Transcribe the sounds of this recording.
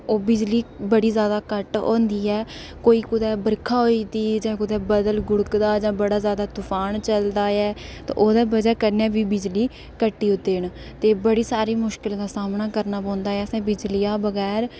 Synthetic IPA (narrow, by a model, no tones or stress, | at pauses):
oːbɪd͡ʒliːbəɽiːzjaːd̪aːkəʈõ̰ːnd̪iːɛː | koːiːkʊd̪ɛːbəɾkʰaːɦoit̪iːd͡ʒãːkʊd̪ɛːbəd̪əlɡʊɽkd̪aːd͡ʒãːbəɽaːzjaːd̪aːt̪ʊfʰaːnt͡ʃəld̪aːɛːt̪ã̰ːʔoːd̪aːbəd͡ʒɛːkəɾnjaːbiːbɪd͡ʒliː | kəʈːiːʊt̪ːeːɳ | t̪eːbəɽiːsaːɾiːmʊʃkɪld̪aːsaːmnaːkəɾnaːpõːnd̪aːɛːəsãːbɪd͡ʒlɪjaːbəɡɛːɾ